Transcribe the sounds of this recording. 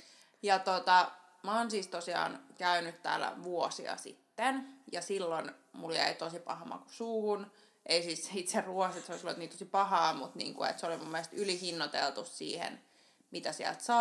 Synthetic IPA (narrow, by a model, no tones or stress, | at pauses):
jɑt̪ot̪ɑ | mæoːnsiːst̪osiɑ̰ːnkæynyt̪t̪æ̰ːlæ̰ʋuosiɑ̰sḭt̪ːenjɑsilːonmuljæ̰it̪osipɑhɑmɑ̰ku̥suːhun | ʔeisiːssit̪seruoset̪seolisloet̪nint̪osipɑhɑːmut̪nḭːŋkuḛt̪seolimumːielest̪ylihinːot̪ḛlt̪ussḭːhḛn | mit̪æsiæ̰lt̪sɑ